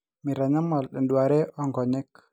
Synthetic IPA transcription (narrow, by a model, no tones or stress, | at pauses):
miɾanamalɗɛnduwaɾɛʔɔŋɡɔɲɛk